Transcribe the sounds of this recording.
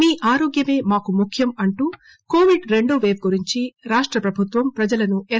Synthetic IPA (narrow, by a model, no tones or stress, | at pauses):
miːʔaːɾoːɡjɐme̞ːmaːkumukʰjɐmɐɳʈuː | ko̞ːʋiɖɾe̞ɳɖoːʋe̞ːʋɡuɾiɲt͡ʃiɾaːʂʈɾɐpɾɐbʱut̪ʋɐmpɾɐd͡ʒɐlɐnue